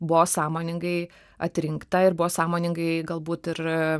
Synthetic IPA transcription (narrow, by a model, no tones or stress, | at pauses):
bʊʋoːsɑːmoːnʲɪŋɡɐɪ | ɐt̪ʲɾʲɪŋkt̪ɐɪrbʊʋoːsɑːmoːnʲɪŋɡɐɪɡɐlˠbuːt̪ɪr